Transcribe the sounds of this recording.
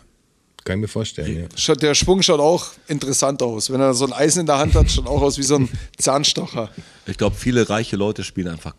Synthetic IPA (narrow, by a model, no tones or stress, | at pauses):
kʰanɪçmiːɐfoːɐʃtɛ̰lnja̰ːʃaʊd̥eːɐʃv̥ʊŋʃaʊtaʊxʔɪntəʁɛsantaʊsvɛneːɐzoːnʔaɪzn̩ɪndeːɐɦanthatʃaʊtaʊxaʊsv̥iːzoːnt͡saːnʃtɔxɐ | ʔɪçɡ̥laʊbəfiːləʁaɪçəlɔʏtəʃpiːlənʔaɪnfaχ